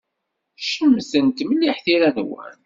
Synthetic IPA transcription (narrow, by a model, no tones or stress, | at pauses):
ʃəmːsənt̪məlːiħθiɾænwæ̰n